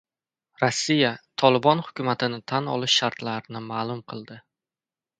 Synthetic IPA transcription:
ɾɒsːijat̪ʰɒlˠɪbɒnhʊ̥kʲʊmat̪ʰɪnɪt̪ʰanɒ̰lˠɪʃːaɾt̪laɾɪnɪmaːlˠʊmqʰɨlˠd̪ɪ

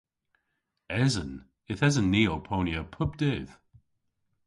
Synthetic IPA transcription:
ɛzə̃n | ɪθɛzənːiːoʊpʰoʊnjəpʰʊb̚d̥ɪð̥

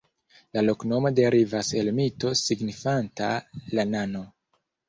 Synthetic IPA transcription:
lalo̞kno̞mo̞deɾivase̞lmito̞siɡnifantalanano̞

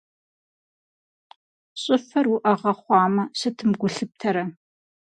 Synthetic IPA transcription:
ɕʼɪfɐrwʊʔɐʁɐχʷɑːmɐɕɐtʰɨmɡʷʊɬɨp̚tʰɐɾɐ

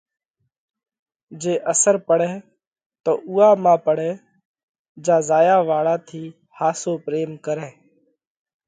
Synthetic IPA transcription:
d͡ʒeːʔəsəɾpəɽɛː | t̪o̰ːʔuːaːmãːpəɽɛː | d͡ʒãːzaːjaːʋaːɽaːt̪ʰiː | haːsoːpɾeːmkəɾɛ̃ː

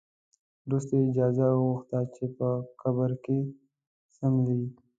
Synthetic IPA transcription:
d̪ust̪eɪd͡ʒaːzaɣuxt̪at͡ʃʰepəkɐbəɾke | sɐmli

